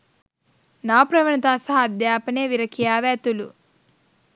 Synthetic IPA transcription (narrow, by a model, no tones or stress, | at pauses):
naːpɾɐʋɐnɐt̪aːsɐɦɐd̪jaːpɐneːʋiɾɐkʰijaːʋɛːt̪ulṵ